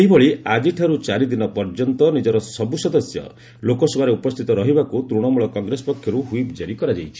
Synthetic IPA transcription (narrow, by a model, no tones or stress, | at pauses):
eibɔɭiad͡ʒiʈʰaɾut͡ʃaɾid̪inɔpɔɾd͡ʒɔnt̪ɔnid͡ʒɔɾɔsɔbusɔd̪ɔsjɔ̰ | lokɔsɔbʱaɾeupɔst̪ʰit̪ɔɾɔɦibakut̪ɾuɽ̃ɔmuɭɔkɔŋɡɾesɔpɔkʰːjɔɾuɦuibid͡ʒaɾikɔɾad͡ʒajt͡ʃʰi̥